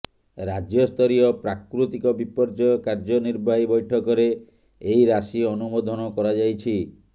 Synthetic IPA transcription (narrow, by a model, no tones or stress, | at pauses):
ɾad͡ʒjɔst̪ʰɔɾiɔpɾakɾut̪ikɔbipɔɾd͡ʒɔjɔkaɾd͡ʒɔniɾbaɦibɔjʈʰɔkɔɾe | ejɾasiɔnumod̪ʱɔnɔkɔɾad͡ʒajt͡ʃʰi